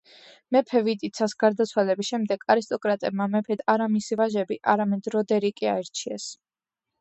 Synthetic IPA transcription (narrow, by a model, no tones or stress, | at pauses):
mɛpʰɛvit̪ʼit̪sʰasɡaɾd̪at̪sʰwalɛbisʃɛmd̪ɛɡaɾist̪ʼɔkʼɾat̪ʼɛbmamɛpʰɛd̪aɾamisivaʒɛbiʔaɾamɛd̪ɾɔd̪ɛɾikʼia̰ɛɾt͡ʃʰiɛs